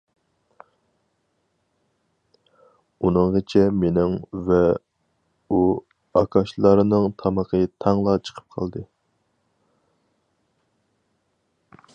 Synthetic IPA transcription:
unɨŋʁət͡ʃʰɛmenɪŋvɛ | u | ɑkʰɑʃlˠɑɾɨnɨŋt̪ʰɑməqʰət̪ʰɑŋlˠɑt͡ʃʰə̥qʰə̥p̚qʰɑ̰lˠd̪ɨ

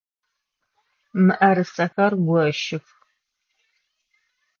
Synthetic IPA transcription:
mɨʔɐɾɨsɐxɐrɡʷɔʃɪx

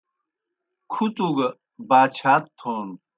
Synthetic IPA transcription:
kʰut̪uɡɐ | baːt͡ɕʰaːt̪ʰːoːn

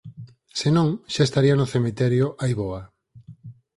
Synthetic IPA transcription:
senõŋʃaest̪aɾianʊθemit̪ɛɾjʊʔajβoa

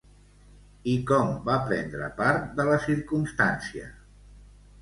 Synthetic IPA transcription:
ikɔmbapɾɛnd̪ɾə̰paɾt̪̚d̪ələsiɾkumst̪ansiə̰

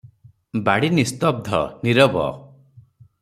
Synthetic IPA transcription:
baɽinist̪ɔb̚d̪ʱɔ̰niɾɔbɔ̰

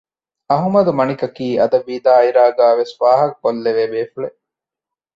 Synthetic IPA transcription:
ɐɦumɐd̪umɐnikɐkiːɐd̪ɐʋiːd̪aːiɾaːɡaːʋesʋaːɦɐk̚ːolːeʋeːbeːfuɭe

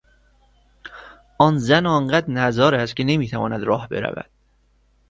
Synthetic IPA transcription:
ʔɒːnzænɒːŋɢæd̪næzɒːɾæst̪cʰʲene̞miːt̪ʰævɒ̰ːnæd̪ɾɒːhbe̞̰ɾæ̰væ̰d̪̥

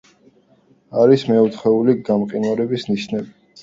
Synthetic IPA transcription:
aɾismɛut̪ʰχɛuliɡamqʼinwaɾɛbisniʃnɛbi

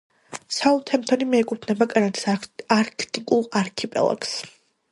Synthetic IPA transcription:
saut̪ʰɛmt̪ʰɔnimɛːkʼut̪ʰnɛbakʼanat̪ʰi̥saɾkʰt̪ʼikʼulˠaɾkʰipʼɛ̰lˠa̰ks

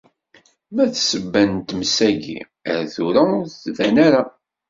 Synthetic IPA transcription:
mæθsəbːænt̪msæɡḭ | ə̰ɾθuɾæθvænæɾa

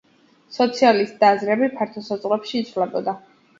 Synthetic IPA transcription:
sɔt̪sʰialist̪d̪aːzɾɛbipʰaɾt̪ʰɔsad̪zʼqʼlɛpʃiːt̪sʰvlɛbɔd̪a

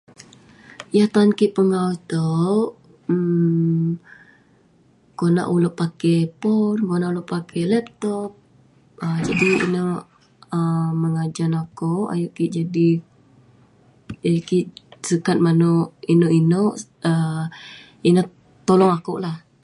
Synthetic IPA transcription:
jaht̪ankiʔpəŋawt̪o | kona̰ʔuloʔpakɛpɔrkonaʔuloʔpakʰɛlɛp̚t̪ɔp̚ | əd͡ʒadiḭnəʔ | əməŋad͡ʒanakoʔa̰juʔkiʔd͡ʒadi | əkiʔsəkat̪̚manoʔinoʔinoʔ | ə | ina | t̪olɔŋakoʔlah

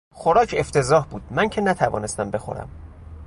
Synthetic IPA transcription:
xoɾɒːcʰe̞ft̪ʰe̞zɒːhbuːd̪̥̚mæŋcʰenæt̪ʰævɒ̰ːne̞st̪æmbe̞xo̰ɾæ̰m

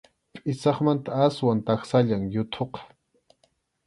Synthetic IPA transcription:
pʼɪsɑχmant̪aaswant̪ɑχsaʎaŋjʊt̪ʰoqɑ̥

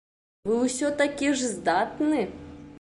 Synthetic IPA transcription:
ʋɨwsʲɔt̪ɐkʲiʐzd̪at̪nɪ

